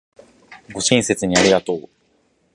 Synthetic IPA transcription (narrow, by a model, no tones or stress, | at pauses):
ɡo̞ɕĩɰ̃se̞t͡sɨɲ̟iaɾʲiɡat̪o̞ː